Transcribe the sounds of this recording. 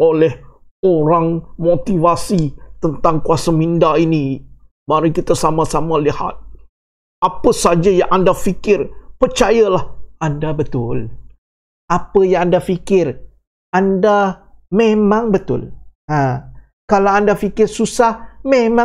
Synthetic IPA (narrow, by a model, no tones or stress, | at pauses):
olɛh | oɾaŋmot̪ivasit̪ənt̪aŋkuasamindaini | maɾikit̪asamãsamaliha̰t̪̚ | apəsad͡ʒajaŋʔandafikɪrpərt͡ʃajalahandabət̪ʊl | ʔapəjaŋandafikɪr | andamẽmãŋbət̪ʊ̰lã | kalawandafikɪrsusahmemã